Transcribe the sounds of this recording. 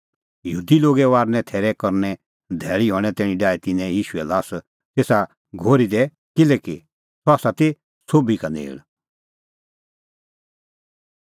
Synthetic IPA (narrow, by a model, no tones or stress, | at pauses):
jɦuːd̪iloːɡɛʋaːɾnɛ̃t̪ʰɛːɾɛkɔɾnɛ̃ | d̪ʱɛːɭiɦɔːɽ̃ɛ̃t̪ɛːɽ̃ĩɖaːit̪ɪnɛ̃jiːʃʊɛlaːs | t̪eːsa | ɡʱoːɾid̪ɛ | kɪlɛki | sɔaːsat̪e | soːbikanḛːɭ